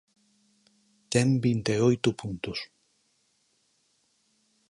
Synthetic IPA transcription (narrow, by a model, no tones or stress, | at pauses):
t̪embint̪eojt̪upunt̪us